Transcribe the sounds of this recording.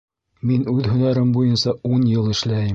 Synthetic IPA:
minʉðhɵ̆næɾɘmbujɤnsɑunjɤlˠɘ̆ʃlæjɘm

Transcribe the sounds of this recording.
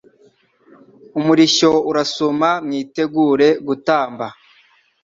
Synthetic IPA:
umuɾiʃo̞uɾasomamɲiːte̞ɡuːɾe̞ɡutaːmba

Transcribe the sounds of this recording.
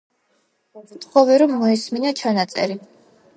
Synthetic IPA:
vt̪ʰʼχɔvɛɾɔmːɔisminat͡ʃʰanat̪sʼɛ̰ɾi

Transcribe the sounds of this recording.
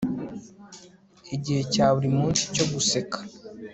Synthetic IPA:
iɟihe̞caːβuɾimuːnsi̥co̞ɡuse̞kḁ

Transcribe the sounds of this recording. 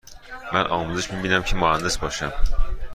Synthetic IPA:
mænʔɒmuzɪʃbiminæmkʲʰɪmʊhand̪ɪsbɒʃam

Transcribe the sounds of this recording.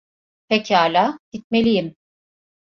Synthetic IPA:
pʰecʰaːlʲaːd̪̥it̪̚me̞lʲijim

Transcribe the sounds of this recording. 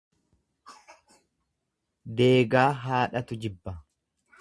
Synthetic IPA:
d̪e̞ːɡaːɦaːᶑɐt̪ʊd͡ʒɪbːɐ

